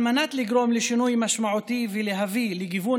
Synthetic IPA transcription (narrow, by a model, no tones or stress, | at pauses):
manat̪liɡɾomleʃinujmaʃmaʕut̪iveleɦavileɡivu